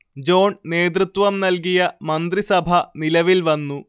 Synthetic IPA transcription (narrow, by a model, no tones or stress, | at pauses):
d͡ʑo̞ːɳne̞ːd̪rut̪ʋɐmnɐlk̬ijɐmɐnd̪risɐbʱɐnilɐʋilʋɐnːu